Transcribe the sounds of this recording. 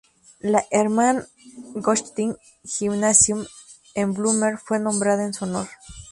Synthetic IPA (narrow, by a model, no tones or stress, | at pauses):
laʔeɾman | ɡoʃt̪iŋ | ximnasjum | emblumeɾfwenõmbɾaðaensuonoɾ